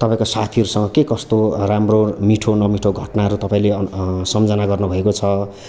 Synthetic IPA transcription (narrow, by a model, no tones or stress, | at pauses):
t̪ʌpãĩkosat̪ʰiʌɾusʌŋɡʌkekʌst̪oramromiʈʰonʌmiʈʰoɡʱʌʈnaʌɾut̪ʌpãĩlesʌmd͡zʌnaɡʌrnubʱʌekot͡sʰʌ